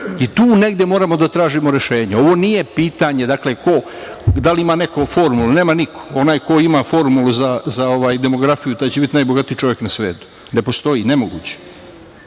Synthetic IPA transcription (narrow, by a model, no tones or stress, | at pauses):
it̪uːne̞ɡd̪ʲjemo̞ːɾamo̞d̪at̪ɾaːʒimo̞ɾe̞ʃe̞ːɲao̞ʋo̞nije̞piːt̪aɲe̞d̪akle̞ko̞ | d̪aliimaːnekofo̞ɾmulune̞ːmanikʰo̥o̞naːjko̞imafo̞ɾmuluzazao̞ʋaːjd̪e̞mo̞ɡɾafijut̪aːt͡ɕebit̪najboɡat̪ijt͡ʃo̞ʋje̞knasʋe̞ːt̪u̥ | ne̞po̞st̪o̞jine̞moɡṵːt͡ɕe̥